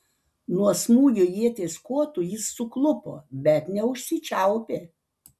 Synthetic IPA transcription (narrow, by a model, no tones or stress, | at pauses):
nuɔsmuːjujiɛt̪ʲeːskoːt̪ʊjɪsːʊklˠʊpo̰ːbʲɛt̪nʲɛʊʃʲsʲɪt͡ʃʲæʊpʲeː